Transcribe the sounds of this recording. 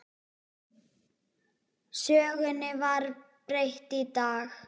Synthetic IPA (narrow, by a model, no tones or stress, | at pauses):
sœːɣʏnɪvaɾpɾejht̪it̪aːx